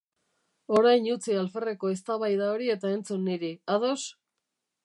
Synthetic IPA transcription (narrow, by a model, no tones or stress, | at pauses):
o̞ɾajɲut͡sialfe̞reko̞e̞st̪aβajðao̞ɾie̞t̪ae̞nt͡sunːiɾiaðo̞s